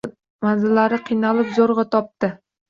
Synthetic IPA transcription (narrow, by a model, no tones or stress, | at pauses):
manzɪlːaɾɪqʰɨjnalɪpzoɾʁɑt̪ʰɒp̚t̪ɪ